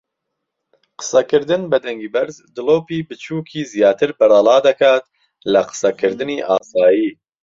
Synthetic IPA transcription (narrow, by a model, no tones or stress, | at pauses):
qɨ̥sɐkɨɾd̪ɨnbɨd̪ɛŋɡiːbɛɾzd̪ɨloːpiːbɨt͡ʃʰuːkʰiːzijaːt̪ʰɨɾbɨɾɑːlɑːd̪ɐkʰaːt̪ | lɐqɨ̥sɐkʰɨɾd̪ɨniːʔa̰ːsaːjiː